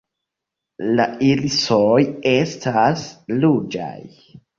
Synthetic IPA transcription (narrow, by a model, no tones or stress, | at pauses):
la̰ilsoje̞staslud͡ʒa̰j